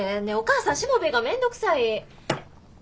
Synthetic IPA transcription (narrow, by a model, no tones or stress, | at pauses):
eneo̞kaːsãɰ̃ɕimo̞be̞ɡamẽ̞nd̪o̞kɯ̟̥sai